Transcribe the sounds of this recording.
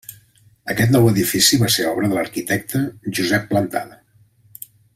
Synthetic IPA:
əkɛt̪nɔwəðifisiβaseɔβɾəðələɾkit̪ɛk̚t̪əʒuzɛpːlənt̪a̰ðə

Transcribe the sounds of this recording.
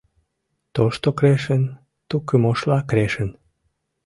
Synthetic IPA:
t̪oʃt̪okɾeʃən | t̪ukəmoʃlɑkɾeʃən

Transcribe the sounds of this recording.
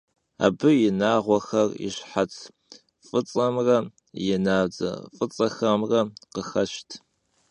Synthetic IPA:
a̰ːbɨjɪnaːʁʷɔxɐrɪ̰ɕħat͡sʰ | fʼɨt͡sʼɐmrɐ | jɪnaːd͡zɐ̰fʼɨt͡sʼɐxɐmrɐqəxɐʃtʰ

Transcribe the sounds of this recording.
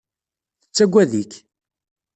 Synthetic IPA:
θət͡sːæɡʷːæðik

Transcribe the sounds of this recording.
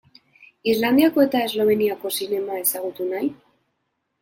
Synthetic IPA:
izland̪iako̞e̞t̪ae̞zlo̞β̞e̞niako̞sine̞mae̞saɣ̞ut̪unaj

